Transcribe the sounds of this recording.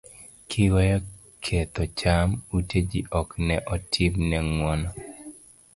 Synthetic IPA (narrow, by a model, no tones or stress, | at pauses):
kʰɪwɔjɔ | kʰet̪ɔt͡ʃamuted͡ʒiʔɔknɛʔɔtʰɪmnɛŋwɔnɔ